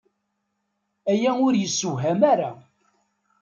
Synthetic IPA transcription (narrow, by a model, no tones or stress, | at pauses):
æjæʊɾjəsːʊɦæmæɾa